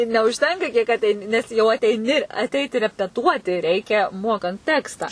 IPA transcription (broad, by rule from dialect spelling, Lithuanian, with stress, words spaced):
ɪr nʲɛʊʃʲˈtʲɛŋkɐ kʲiɛk ɐtʲˈɛɪnʲɪ nʲɛs jɛʊ ɐtʲɛɪˈnʲɪ ɐtʲˈɛɪtʲɪ rʲɛpʲɛˈtuɔtʲɪ ˈrʲɛɪkʲɛ ˈmoːkɐnt ˈtʲæːkstɑː